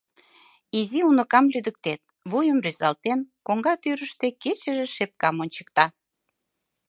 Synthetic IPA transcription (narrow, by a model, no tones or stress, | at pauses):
iziunə̆kɑmlyd̪ək̚t̪et̪̚βujəmryzɑlt̪enkoŋɡɑt̪yɾəʃt̪eket͡ɕə̆ʒĕʃep̚kɑmonʲt͡ɕə̥k̚t̪ɑ